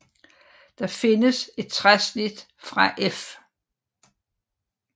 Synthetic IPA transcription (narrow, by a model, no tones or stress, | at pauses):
d̥ɑ̈fe̝nəse̝d̥̚t͡sʰʁasnid̥ | fʁɑ̈ʔef